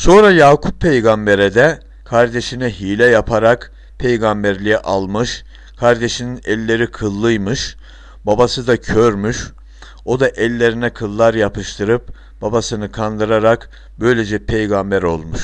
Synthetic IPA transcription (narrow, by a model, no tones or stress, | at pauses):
so̞nɾajaːkʰup̚ʰːejɡambeɾɛd̪ɛ | kʰaɾd̪eʃinɛɦiːlʲɛjapʰaɾak | pʰejɡambæɾlʲijɛʔalˠmɯʃ | kʰaɾd̪eʃininɛlʲːe̞ɾikʰɯlˠːɯjmɯʃ | babasɯd̪acʰøɾmyʃ | o̞d̪aʔɛlʲːe̞ɾinɛkʰɯlˠːaɾjapʰɯʃt̪ʰɯɾɯp | b̥abasɯnɯkʰand̪ɯɾaɾak | bø̞jlʲed͡ʒɛpʰejɡambæɾo̞̰lˠmuʃ